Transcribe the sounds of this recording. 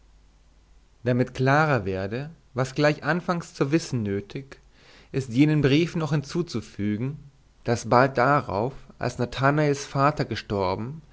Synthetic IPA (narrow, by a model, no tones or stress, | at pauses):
d̥amɪtkl̥aːʁɐveːɐdə | vasɡ̥laɪçʔanfaŋst͡suɐvɪsn̩nøːtʰɪk | ʔɪstjeːnənbʁiːfnɔχhɪnt͡suːt͡sufyːɡŋ̩ | d̥asb̥alt̚d̥aʁa̰ʊfʔa̰lsnatʰanaɪlsfaːtɐɡəʃtɔɐbm̩